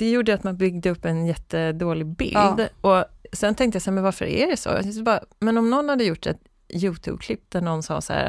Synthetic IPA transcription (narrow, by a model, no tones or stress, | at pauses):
d̪̥ɛjuːɖəjat̪manbʏɡ̚d̪əɵpːɛnjɛt̪ːəd̪oːlɪbɪ̰ld̪ɔsɛnt̪ʰɛŋkt̪əjasɛmɛnvaɾfœ̰ɾæ̰ɖɛsɔ̰sɔbɑːɾamɛnɔmnɔnːhad̪ːəjʊʈːɛ̰t̪ | jʉ̟ːt̪ʰʉ̰ːb̚kʰlɪp̚ːd̪æɳɔnːsɑ̰ːsa̰æ̰ɾ